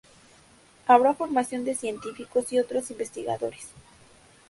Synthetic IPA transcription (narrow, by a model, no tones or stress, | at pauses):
aβɾafo̞ɾmasjo̞nd̪e̞sje̞nt̪ifiko̞siot̪ɾosimbe̞st̪iɣa̰ðo̞ɾes